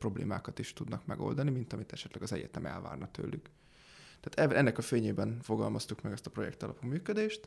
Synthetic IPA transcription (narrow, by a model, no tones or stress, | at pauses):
pro̞blḛːmaːkɒt̪iʃt̪ud̪nɒkmɛɡo̞̰ld̪ɒnimint̪ɒmit̪ɛʃɛt̪lɛɡɒzɛɟɛt̪ɛmɛ̰lva̰ːrnɒt̪ø̰ːlːyk | t̪aːt̪ɛʔɛnːɛkɒfeːɲeːbɛnfo̞ɡɒlmɒst̪ukmɛɡɛst̪ɒ̥pro̞jɛ̰kt̪ɒlɒpuːmyːkød̪eːʃt̪